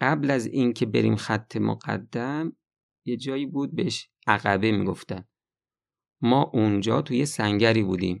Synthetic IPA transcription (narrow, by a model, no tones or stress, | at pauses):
ɢæblæziːncʰe̞be̞̰ɾḭːmxæt̪ʰːe̞mo̰ɢæ̰d̪ːæm | jed͡ʒɒːjiːbuːd̪̚beeʃ | æɣæbemḭːɡo̞ft̪æn | mɒːʔund͡ʒɒ̰ːt̪ʰujesæŋɟæɾiːbuːd̪ḭːm